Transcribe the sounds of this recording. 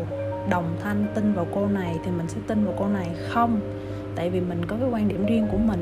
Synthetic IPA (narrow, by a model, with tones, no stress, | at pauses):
ɗə˨˩wŋ͡mt̪ʰa˧ŋt̪ï˧ŋvaː˨˩wko˧na˨˩jt̪ʰi˨˩mï˨˩ŋ̟sɛ̰˧˥˦t̪i˧nvaː˨˩wko˧na˨˩jxə˧wŋ͡m | t̪a̰ː˧˨jvi˨˩mï˨˩ŋ̟kɔ˨˦vəː˨˦jkwaː˧nɗi˧˩əmzi˧əŋku˧˩əmï˨˩ŋ